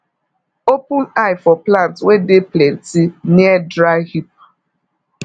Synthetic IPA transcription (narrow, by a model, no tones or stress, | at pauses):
opʊnaɪfɔplantwedeplentiniɛdɾaɣip̚